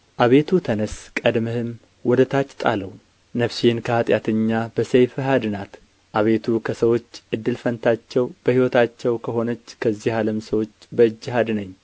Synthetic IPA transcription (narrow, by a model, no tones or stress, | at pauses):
ʔaβe̞t̪ʰut̪ʰənəskʼəd̪məhɨm | wɔd̪ət̪ʰat͡ʃːt̪ʼa̰ləw | nəfsinkʰəhat̪ʼjat̪ʰəɲːabəsejfɨɦad̪ɨnat̪ | ʔaβe̞t̪ʰukʰəsəwo̞t͡ʃːʔɨd̪ːɨlfənt̪ʰat͡ʃːɛwb̥əhiwɔt̪ʰat͡ʃːɛwkʰəɦo̞nət͡ʃːkʰəzːihaləmsəwo̞t͡ʃːbəɨd͡ʒːɪɦad̪nəɲː